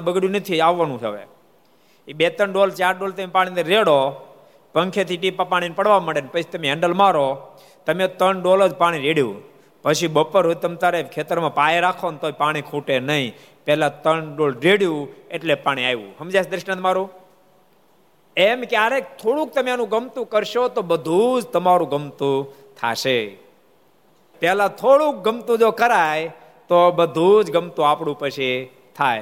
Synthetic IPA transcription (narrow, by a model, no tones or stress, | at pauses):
bəɡɽjũnət̪ʰiaʋːanũɦə̰ʋḛ | ibet̪ənɖolt͡ʃaɾɖolt̪əmepaɽ̃ĩnəɾeɽo | pəŋkʰet̪ʰiʈ̬ipːapaɽ̃inpəɽʋaməɽenpət͡ʃʰi̥t̪əmeɛɳɖəlmaɾo | t̪əmet̪ənɖoləd͡ʒpaɽ̃iɾeɽjṵ | pəʃibəpːəɾɦot̪əmt̪aɾekʰet̪əɾmãpajeɾakʰont̪oipaɽ̃ikʰuʈenəĩ | pɛlat̪ənɖolɾeɽjũeʈlepaɽ̃ĩajʋṵ̃ɦəmd͡ʒaʃd̪ɾɪʃnãt̪əmaɾũ | emkeaɾek̚t̪ʰoɽũk̚t̪əmeanũɡəmt̪ũkəɾʃot̪obəd̪ʱud͡ʒt̪əmaɾũɡəmt̪ũ | t̪ʰa̰ʃe | pɛlat̪ʰoɽũk̚ɡəmt̪ũd͡ʒokəɾaj | t̪obəd̪ʱud͡ʒɡəmt̪ũapɽũpəʃʰi | t̪ʰaj